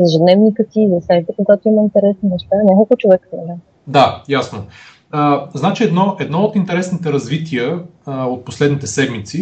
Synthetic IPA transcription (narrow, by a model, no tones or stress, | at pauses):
zɛʒɛd̪nɛvnikət̪iːzɐsajt̪əkoɡat̪oiməint̪ɛɾɛsninɛʃt̪anʲakolˠkʊt͡ʃovɛkə̥sma | d̪ajasno | əznat͡ʃiɛd̪nɔʔɛd̪nɔot̪int̪ɛɾɛsnit̪ɛɾɐzvit̪iəot̪̚poslɛd̪nit̪ɛsɛd̪mit̪si